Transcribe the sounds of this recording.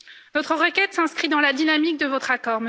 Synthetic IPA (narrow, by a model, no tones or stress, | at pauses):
nɔt̪χəʁəkʲɛt̪sɛ̃skχid̪ɑ̃lad̪inamik̚d̪əvɔt̪χakɔʁmə